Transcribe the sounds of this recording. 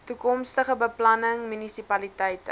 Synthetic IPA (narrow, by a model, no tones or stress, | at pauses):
tukɔmstəχəbəplɐnəŋmynisipɐlitɛjtə